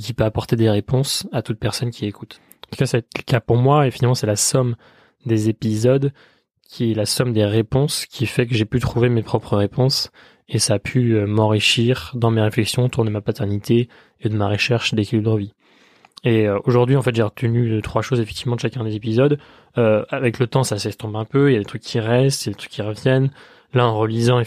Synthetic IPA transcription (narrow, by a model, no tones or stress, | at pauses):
k̬ʲipøapɔʁt̪ed̪eʁepɔ̃sat̪ut̪̚pɛʁsɔnkʲiekut̪ | ɑ̃t̪u̥kasat̪ləkapuʁmwaefinalmɑ̃sɛlasɔm | d̪ezepizɔd̪ | kʲʰiɛlasɔmd̪eʁepɔ̃skʲʰifɛk̬əʒepyt̪χuvemepχɔpχəʁepɔ̃s | esaːpʰyømɑ̃ʁiʃiʁd̪ɑ̃meʁeflɛksjɔ̃ot̪uʁd̪əmapat̪ɛʁnit̪eː | d̪əmaʁəʃɛʁʃd̪ekɛlidʁəvi | eøoʒuʁd̪ɥiɑ̃fɛt̪ʒeʁət̪ənyd̪t̪χwaʃozefɛk̚t̪ivmɑ̃d̪əʃakʲɛ̃d̪ezepizɔd̪ | øavɛklət̪ɑ̃sasɛst̪ɔ̃bɛ̃pøiljad̪et̪χykʲːʰiʁɛst̪jad̪et̪χy̥kʲːiʁəvjɛn | laɑ̃ʁəlizɑ̃e